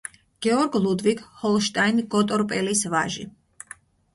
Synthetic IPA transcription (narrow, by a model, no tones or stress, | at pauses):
ɡ̥ɛɔɾɡlˠud̪vikhɔlˠʃt̪ʼajnɡɔt̪ʼɔɾpʼɛlisvaʒḭ